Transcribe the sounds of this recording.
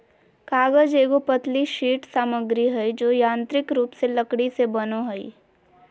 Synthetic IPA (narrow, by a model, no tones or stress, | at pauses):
kaːɡəd͡ʒeːɡopət̪liʃiːʈsaːməɡɾiɦəjd͡ʒojãːnt̪ɾɪkɾuːpseləkɽisebənoɦəi